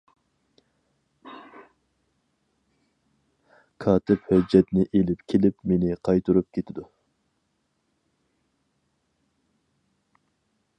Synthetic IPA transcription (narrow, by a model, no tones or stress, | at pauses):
kʰɑːt̪ʰɪphød͡ʒːɛt̪nɪʔelɪpkʲʰelɪpmenɪqʰɑjt̪ʰuɾup̚kʲʰet̪ʰɪd̪u